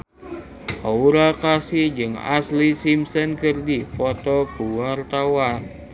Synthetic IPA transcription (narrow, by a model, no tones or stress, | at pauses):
ʔauɾakasid͡ʒɨŋa̰slisimsənkɨrdipɔt̪ɔkuwart̪awan